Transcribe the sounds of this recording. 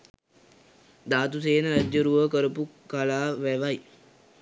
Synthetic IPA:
d̪aːt̪useːnəɾad͡ʒjəɾuʋəkəɾəpukalaːʋæʋaj

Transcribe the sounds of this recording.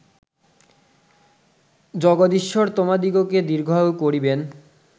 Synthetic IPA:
d͡ʑɔɡod̪iʃːoɾt̪omad̪iɡoked̪iɾɡʱɔokoɾiben

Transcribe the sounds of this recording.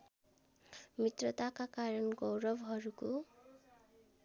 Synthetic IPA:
mit̪rʌt̪akakaɾʌnɡʌwɾʌbɦʌɾuko

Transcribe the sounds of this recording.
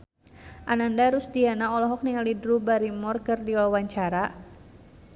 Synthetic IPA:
ʔanandaɾusdianaɔlɔɦɔk̚niŋalidɾubaɾimɔrkərdiwawaɲt͡ʃaɾa

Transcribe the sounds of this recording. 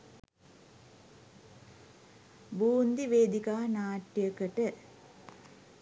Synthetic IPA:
buːnd̪iʋeːd̪ikaːnaːʈːjəkəʈə

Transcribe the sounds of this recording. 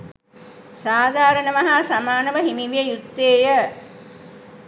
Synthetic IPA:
saːd̪ʱaːɾənəʋaɦaːsamaːnəʋəɦimiʋijəjut̪ːeːjə

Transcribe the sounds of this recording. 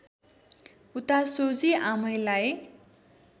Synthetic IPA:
ut̪asod͡ziamʌjlaj

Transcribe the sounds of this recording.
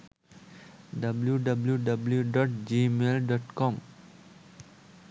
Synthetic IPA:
ɖɐbljuɖʌbljuɖɐbljuɖɔːʈd͡ʒimelɖɔːʈkɔ̃m

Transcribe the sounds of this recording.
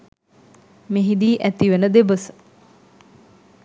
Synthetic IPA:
meɦid̪iːʔæt̪iʋənəd̪ebəsə̥

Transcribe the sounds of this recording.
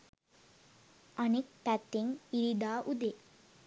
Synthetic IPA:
anik̚pæt̪ːeŋiɾid̪aːʔud̪e

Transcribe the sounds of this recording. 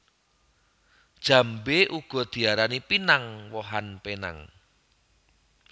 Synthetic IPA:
d̥ʒ̥ä̤mbeʔuɡ̥ɔ̤d̪̥i̤aɾanipinaŋwɔɦanpena̰ŋ

